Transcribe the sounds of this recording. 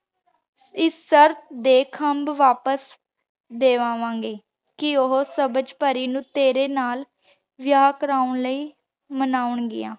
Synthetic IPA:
ɪsːəɾt̪̚d̪eːkʰəmbʋaːpəs | d̪eːʋãːʋãːŋɡeː | kɪoɦosəbəd͡ʒpəɾiːnũːt̪eːɾeːnaːl | ʋɪjaːkəɾaːʊɳləiː | mənaːʊɳɡɪ̰jã̰ː

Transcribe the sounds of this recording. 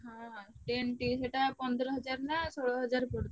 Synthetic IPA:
ɦãʈeɳʈiseʈapɔnd̪ɾɔɦɔd͡ʒaɾnasoɭɔɦɔd͡ʒaɾpɔɽd̪e

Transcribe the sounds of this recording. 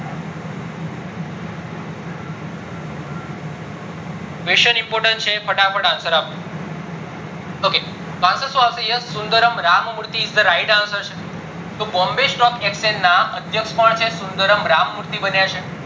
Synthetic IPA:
ʋeʃənimpoɾʈənt͡ʃʰepʰəʈapʰəʈãnsəɾap | oke | kãnsəsũapsejəsund̪əɾəmɾammuɾt̪iːsd̪əɾaiɖãnsəɾʃe | t̪obɔmbesʈɔkeksenːaəd̪ʱjəkʃpəɳt͡ʃʰesund̪əɾəmɾamːuɾt̪ibənjat͡ʃʰe

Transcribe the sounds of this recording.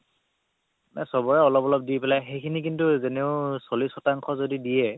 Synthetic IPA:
nɛ̰sɔbɔɹɛɔlɔpɔlɔp̚dijpɛlajxejkʰinik̬intuzeneʊsolisɔtaŋkʰɔzodidijɛ

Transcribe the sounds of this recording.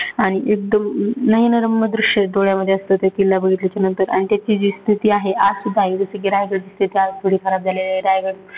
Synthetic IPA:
aɽ̃iʔek̚d̪əmnəjnəɾəmːəd̪ɾuʂəd̪oɭjaməd̪ʱːjeəst̪ət̪ekilːabəɡʱit̪let͡ɕjanənt̪əɾa̰ɽ̃it̪jat͡ɕiːd͡ʑiːst̪ʰit̪iːaɦeʔad͡zsud̪ʱaiʋəsəɡiɾajɡəɽt͡ɕiːst̪ʰit̪iːad͡zt̪ʰuɽ̤ikʰəɾap̚d͡zalelaiɾajɡəɽ

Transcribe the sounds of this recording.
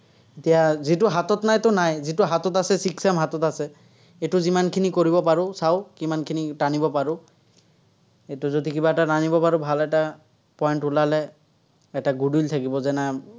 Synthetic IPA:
etijazitʊɦatɔtnajtʊnajzitʊɦatɔtasɛsiksɛmɦatɔtasɛ | etʊzimankʰinikoɹibɔpaɹʊsaʊkimankʰinitanibɔpaɹʊ | ejtʊzodikibaɛtatanibɔpaɹʊbʱalɛta | pɔjnʊlalɛ | ɛtaɡudult̪ʰakibɔzɛna

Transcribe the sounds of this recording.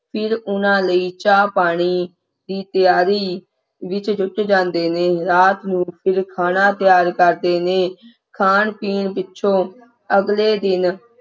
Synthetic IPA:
pʰɪɾʊnãːləiːt͡ʃaːpaːɽ̃iː | d̪iːt̪ɪjaːɾiː | ʋɪt͡ʃd͡ʒʊʈd͡ʒãːnd̪eːneːɾaːt̪nũːpʰɪɾkʰaːnãːt̪ɪjaːɾkəɾd̪eːneː | kʰaːɳpiːɳpɪtːʃʰõː | əɡleːd̪ɪn

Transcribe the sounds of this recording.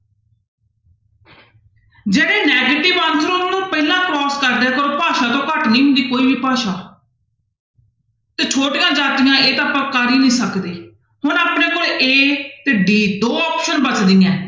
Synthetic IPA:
d͡ʒeːɽeːnɛːɡeːʈɪʋãːnsʰɾonːnõːpɛːɪlãːkɾɔːskəɾd̪ɛːkəɾõːpaːʃaːt̪õːkəʈnĩːɦʊ̃nd̪iːkoːiːʋiːpaːʃaː | t̪eːt͡ʃʰoːʈɪjãːd͡ʒaːt̪ɪjãːʔeːt̪ãːpə̃ːkːaːɾiːnĩːsəkd̪eː | hʊnaːpneːkoːleʔeːt̪eɖiːd̪oːɔːpʃənbət͡ʃd̪ijãː

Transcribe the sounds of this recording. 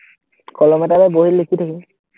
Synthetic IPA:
kɔlɔmɛtabɛboɦilekʰit̪ʰakɛ

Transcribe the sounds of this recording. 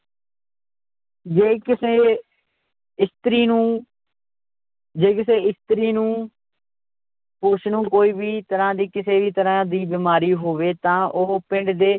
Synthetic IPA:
d͡ʒeːkɪseː | ɪst̪ɾiːnũː | d͡ʒeːkɪseːɪst̪ɾiːnũː | pʊʃnũːkoːiːbiːt̪əɾãːd̪iːkɪseːʋiːt̪əɾãːd̪iːbɪːmaːɾiːɦoːʋeːt̪ãːʔoːpɪ̃ɳɖd̪eː

